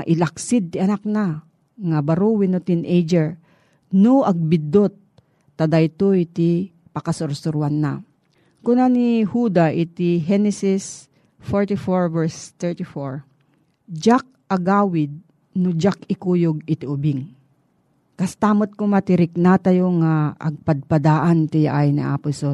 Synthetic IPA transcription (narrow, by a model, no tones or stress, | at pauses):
ʔɪlɐk̚sɪd̪̚t̪ɪɐnak̚na | ŋabɐɾuwɪnot̪inʔejd͡ʒɛɹ | noʔɐɡ̚bɪd̪ot̪̚ː | ɐd̪ajt̪oit̪ɪ | pɐkɐsʊɾsʊɾʊanːa̰ | kʊnanihuːd̪aʔɪt̪iɦɛnɛsɪs | foɹt̪ɪfoɹvɛɹst̪ɛɹt̪ɪfoɹ | d͡ʒak̚ʔɐɡaːwɪd̪̚ | nʊd͡ʒak̚ɪkuːjoɡɪt̪ɪʊbɪŋ | kɐst̪aːmot̪̚komɐt̪ɪɾɪk̚nat̪ɐjoŋaʔɐ̰ɡ̚pɐd̪̚pɐd̪aːʔant̪ɪja̰ʔajnɪ̰ʔa̰ːpʊso